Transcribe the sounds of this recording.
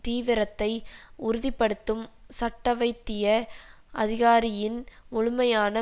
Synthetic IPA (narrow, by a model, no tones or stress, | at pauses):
t̪iːʋɪɾɐt̪ːɐɪʊɾʊðɪpːɐɽɯt̪ːɯmsɐʈːɐʋɐɪt̪ːɪjɐ | ʔɐðɪɣaːɾɪjɪnʊɻʊmɐjaːnɐ